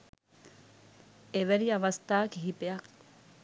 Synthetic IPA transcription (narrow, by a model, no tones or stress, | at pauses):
eʋæɾiɐʋɐst̪aːkiɦipeɐk